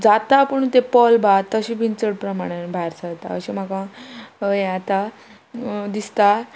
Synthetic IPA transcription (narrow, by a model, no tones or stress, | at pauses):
d͡zat̪apəɳt̪epɔlbat̪ːəɕiʋint͡səɽpɾəmaɽ̃ebʱaɦjɾsat̪a̰ə̰ɕim̤akã | eat̪a | d̪ist̪a